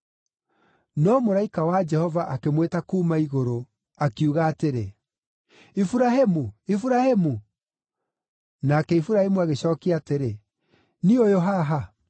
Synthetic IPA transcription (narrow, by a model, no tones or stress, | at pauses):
nɔmoɾaikawad͡ʒɛhɔvaʔakemwetakuːmaiɣoɾo | akiuɣaːteɾe | ifuɾaɦemuifuɾahemu | nakɛifuɾahemuaɣeɕɔːkiateɾe | niojoɦaɦa